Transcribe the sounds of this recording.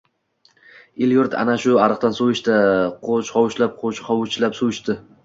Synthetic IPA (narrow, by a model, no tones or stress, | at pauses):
ɪljʊɾt̪ʰa̰naʃʊaɾɨqt̪ansowɪʃt̪aqʰot͡ʃχɒwʊʃlap̚qʰot͡ʃχɒwʊt͡ʃʰlapsowɪʃt̪ɪ